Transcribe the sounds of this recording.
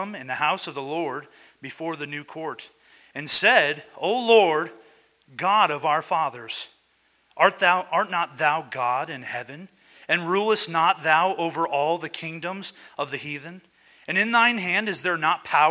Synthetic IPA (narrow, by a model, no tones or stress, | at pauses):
mɨ̃nðɨhaʊsʌvðəlɔɹd̚ | bɨfɔɹðɨnʉkʰɔɹɾ | ɨ̃nsɛɾoʊlɔɹd | ɡɑɾʌvaʊə˞fɑðə˞z̥ | ʔɑɹt̪̚ðaʊʔɑɹtⁿnət̪̚ðaʊɡɑɾɨ̃nhɛvɨ̃n | ɨ̃nɹulˠəstⁿnət̪̚ðaʊʔoʊvə˞ʔɔlˠðɨkʰɪ̃ŋdə̃mzʌvðɨhiðɨ̃n | ɨ̃nɨ̃nðãɪ̃nɦæ̃ndɨzðə˞nət̚pʰaʊ